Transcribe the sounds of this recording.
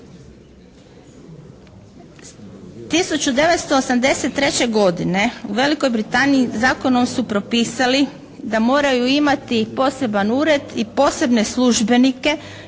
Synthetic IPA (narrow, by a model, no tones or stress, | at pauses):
t̪isut͡ɕud̪e̞ʋet̪st̪o̞ːsamd̪e̞set̪ːɾe̞t͡ɕe̞ɡo̞d̪ine̞uʋe̞liko̞jbɾit̪aːniːzaːko̞nomsupɾo̞piːsali | d̪amo̞ːɾajuimat̪ipo̞ːse̞banuːɾe̞d̪ipo̞ːse̞bne̞slˠuʒbe̞nike̞